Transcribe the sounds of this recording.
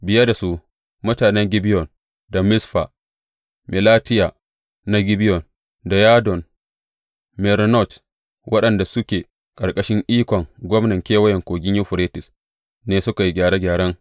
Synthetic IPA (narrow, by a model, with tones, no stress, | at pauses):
bɪ˨ja˦da˨su˦ | mʊ˦taː˨nɛ˦ŋɡʲɪ˦bɪ˦jɔ˨n | da˨mɪ˦sɸa̰˨ | mɪ˨laː˦tɪ˦jaː˨ | na˦ɡʲɪ˦bɪ˦jɔ˨n | da˨jaː˦dɔ˨n | mɛ˨ɾnɔ˦˨t | wʔɐ˦ɗɐ˨nda˨sʊ˦kʲeː˨ | kʼɐ˨ɾkʼɐ˦ʃɪ˦ŋʔiː˦kʷɔ˨ŋɡʷɔ˦mnɐ˨ŋkʲeː˦wɐ˦jɛ˨ŋkʷoː˨ɡʲɪ˦ɲju˦ɸʊ˨ɾeː˦tɪ˨s | neː˦sʊ˦ka˨ji˦ɡʲaː˨ɾe˦ɡʲaː˨ɽɐ˦ŋ